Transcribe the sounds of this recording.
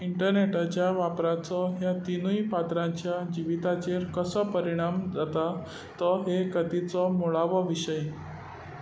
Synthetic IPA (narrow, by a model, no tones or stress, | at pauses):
iɳʈəɾneʈat͡ɕjaʋapɾat͡sɔɦjat̪inujpat̪ɾãɲt͡ɕjad͡ʑiʋit̪at͡ɕeɾkəsəpəɾiɽ̃amd͡zat̪a | t̪əɦekəd̪it͡sɔmoɭaʋəʋiɕəj